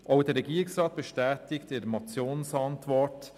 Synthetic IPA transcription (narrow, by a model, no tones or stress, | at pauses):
ʔaʊdɛːɾːɛɡiːɾɪksrɑːt̚b̥ɛʃtɛːtɪktɪɾəmɑt͡sjoːnsɑntʋɔɹt